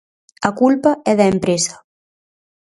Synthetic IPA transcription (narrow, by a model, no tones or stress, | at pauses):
akulpaɛðaempɾesḁ